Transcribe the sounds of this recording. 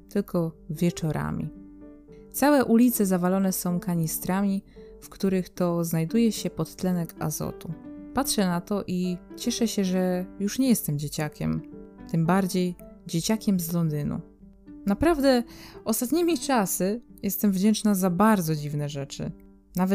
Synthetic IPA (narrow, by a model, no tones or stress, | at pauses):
t̪ɘlkʰɔvʲjɛt͡ʂɔɾa̰mʲḭ | t̪sawɛʔulʲit̪sɛzavalɔnɛsɔ̃w̃kaɲist̪ɾamʲifkt̪uɾɘxt̪ɔznajd̪ujɛɕɛpɔt̪ːlɛnɛka̰zɔ̰t̪upatʂɛnat̪ɔʔit͡ɕɛʂɛɕɛʐɛjuʂɲɛjɛst̪ɛmd͡ʑet͡ɕakʲɛ̰mt̪ɘmbaɾd͡ʑejd͡ʑet͡ɕakʲɛmzlɔnd̪ɘnṵ | napɾavd̪ɛʔɔst̪at̪ɲimʲit͡ʂasɘjɛst̪ɛmvd͡ʑɛnt͡ʂnazabaɾd̪zɔd͡ʑivnɛʐɛt͡ʂɘ̰ | navɛ